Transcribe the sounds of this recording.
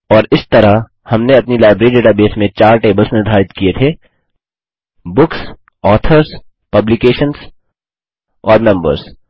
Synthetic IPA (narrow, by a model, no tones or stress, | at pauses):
ɔːɾɪst̪ɐɾaɦ | hɐmneɐpnilaːɪbɾeːɾiɖeːʈabeːsmẽt͡ʃaːɾʈeːbəlsnɪɾd̪ʱaːɾɪt̪kiet̪ʰeː | bʊks | ɔːt̪ʰəɾs | pɐblikeːʃəns | ɔːɾnɐ̃mbə̰ɾs